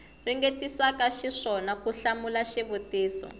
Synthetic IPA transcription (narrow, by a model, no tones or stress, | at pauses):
riŋɡetisakaʃiʂɔnakuɬamulaʃɛβuteːsɔ̰